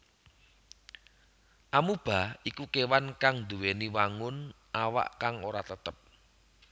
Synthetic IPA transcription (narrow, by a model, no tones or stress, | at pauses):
ʔamub̥a̤ikukewankaŋnd̪uweniwaŋʊn | ʔawa̰ʔkaŋoɾat̪ət̪əp̚